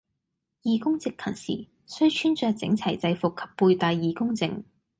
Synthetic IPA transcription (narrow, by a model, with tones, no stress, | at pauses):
jiː˨kʊ˥ŋt͡sɪ˨kʰːɐ˨˩nsḭː˨˩ | sɵ˥ɥt͡ʃʰyː˥nt͡sœː˧k̚t͡sɪ̰˨˥ŋt͡sʰɐ˨˩jt͡sɐ˧jfʊ˨kʰːɐ̥˨pːuː˧jt̪aː˧jːiː˨kʊ˥ŋt͡sɪ̰˧ŋ